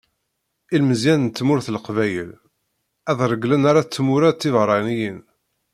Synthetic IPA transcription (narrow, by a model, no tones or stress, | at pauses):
ilməzjænənt̪ːmʊɾθlqvæjəl | æðɾˤəɡlənaɾat͡sːmʊɾæt̪ːivɾˤɑnijən